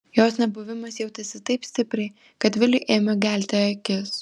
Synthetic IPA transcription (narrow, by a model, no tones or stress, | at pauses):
joːsnʲɛbʊʋʲɪmɐsjɛʊt̪ʲɪsʲɪt̪ɐɪpsʲt̪ʲɪpʲɾʲɛɪ | kɐt̪ʋʲɪlʲɪʔeːmʲɐɡʲæˑlʲt̪ʲɛɐkʲɪs